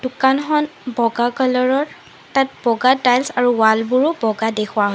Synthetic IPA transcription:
d̥ukanxɔnbɔɡakɔlɔɹɔɹ | tat̚b̥ɔɡatajlsaɹuwalbuɹʊbɔɡadexʰʊwaɦɔ

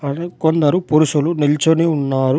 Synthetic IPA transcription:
ɐkond̪ɐɾupuɾuʃulunilt͡ʃoniunːaːɾu

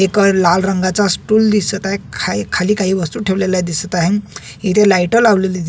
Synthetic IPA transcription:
eklalɾəŋɡat͡sasʈuːld̪isət̪aɦekʰkʰaliːkaɦiːʋəst̪uːʈʰeʋlelad̪isət̪aɦe | it̪ʰelajʈəlaʋleled̪

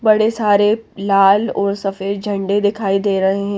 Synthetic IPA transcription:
bɐɽesaːɾelaːlɔːɾsɐfeːɾd͡ʒʱɐ̃ɳɖed̪ɪkʰaːid̪eːɾɐɦeɦɛ̃

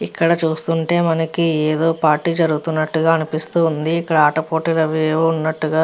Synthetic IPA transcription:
ikːɐɽɐt͡ʃuːst̪uɳʈe̞ːmɐnɐkieːd̪o̞ːpaːɾʈːiːd͡ʒɐɾuɡut̪unːɐʈːuɡaːɐnipist̪uːund̪iːkːɐɽɐaːʈɐpoːʈilɐʋijɐʋunːɐʈːuɡaː

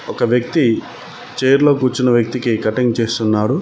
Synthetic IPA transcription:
ɔkɐʋjɐk̚t̪i | t͡ʃeːjɾlo̞ːkuːt͡ʃːinɐʋjɐk̚t̪ikikɐʈiŋt͡ʃeːst̪unːaːɽu

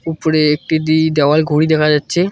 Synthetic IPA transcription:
upoɾeek̚ʈid̪id̪ɛoalɡʱoɽid̪ɛkʰad͡ʑatːɕʰe

